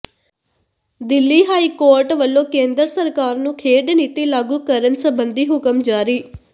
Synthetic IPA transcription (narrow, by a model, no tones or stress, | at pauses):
d̪ɪlːiːɦaːiːkoːɾʈʋəlːõːkẽːnd̪ɾsəɾkaːɾnũːkʰeːɖniːt̪iːlaːɡuːkəɾənsəbənd̪iːɦʊkəmd͡ʒaːɾiː